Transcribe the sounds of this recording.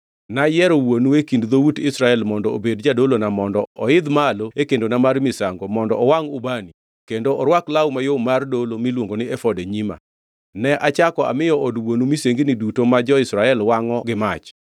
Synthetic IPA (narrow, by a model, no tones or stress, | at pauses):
najɛɾowonuekindðoutɪsɾaɛlmɔndɔo̰bedd͡ʒadolonamɔndɔɔɪd̪maloekendonamarmɪsaŋɡomɔndɔɔwaŋʊbani | kendoʔɔɾwaklaumajomardolomilwoŋɡonɪɛfɔdeɲima̰ | nɛʔat͡ʃakɔa̰mɪjɔʔɔdwonumiseŋɡinɪdutomad͡ʒɔɪsɾaɛlwaŋɔɡɪmat͡ʃ